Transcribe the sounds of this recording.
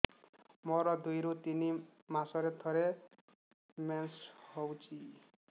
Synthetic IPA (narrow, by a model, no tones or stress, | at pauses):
mɔɾʌd̪ujɾot̪inimasʌɾet̪ʰɔɾe | menshʌwt͡sʰi